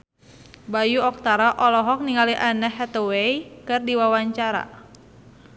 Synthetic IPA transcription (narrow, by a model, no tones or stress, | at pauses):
bajuɔk̚t̪aɾaʔɔlɔɦɔk̚niŋaliʔanəhɛt̪ɔweikɨrdiwawaɲt͡ʃaɾa̰